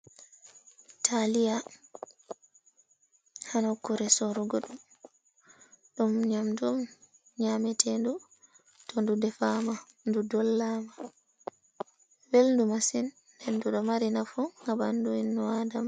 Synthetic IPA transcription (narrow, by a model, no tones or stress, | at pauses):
tʰalija | hanakuɾɛsɔɾuɡɔɗum | ɗumɲamdum | ɲamɛtʰɛndu | tɔndudɛfama | ndudɔlːama | welndumasinː | enduɗɔmaɾinafuŋɡabanduinːɔadam